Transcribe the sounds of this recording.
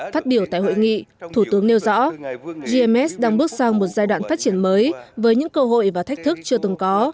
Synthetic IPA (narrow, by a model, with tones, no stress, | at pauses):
faː˦˥t̚ɓi˧˩əwt̪a̰ː˧˨jho̰˧˨jŋḭ˧˨t̪ʰu˧˩t̪ɨ˨˦əŋne˧wzɔ̰˧˥zi˧ɛ˧mɛ˦˥sɗaː˧ŋɓɨ˦˥ək̚sa˧wmo˨˩t̚zaː˧jɗwa̰ː˧˨nfaː˦˥t̚t͡ɕi˧˩ənməː˨˦jvəː˨˦jɲɨ̰˧˥ŋkəː˧ɦo̰˧˨jvaː˨˩t̪ʰjk̚t̪ɨ˦˥k̚t͡ɕɨ˧ət̪ɨ˨˩ŋkɔ˨˦